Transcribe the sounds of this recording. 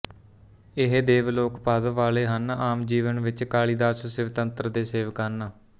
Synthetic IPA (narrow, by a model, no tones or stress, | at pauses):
ɪɦd̪eːʋloːkpəd̪ʋaːleːɦənaːmd͡ʒiːʋənʋɪt͡ʃkaːɭiːd̪aːssɪʋt̪ənt̪ɾəd̪eːseːʋəkaːnaː